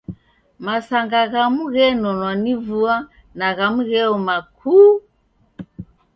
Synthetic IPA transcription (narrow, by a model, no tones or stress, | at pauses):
masaŋɡaɣamuɣɛnɔnwanivua | naɣamuɣɛɔmakʰuː